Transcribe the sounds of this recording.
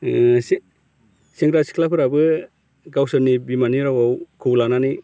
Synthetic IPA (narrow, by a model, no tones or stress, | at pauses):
s | siŋɾasi̥kʰlapʰɯɾabɯ | ɡawsɯnibimaniɾawawkʰɯwlanani